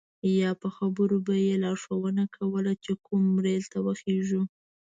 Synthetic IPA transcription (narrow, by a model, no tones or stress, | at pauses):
jɑpəxabəɾobajelɑʂawənakʰawəlat͡ʃekumːɾelt̪awəxeʒu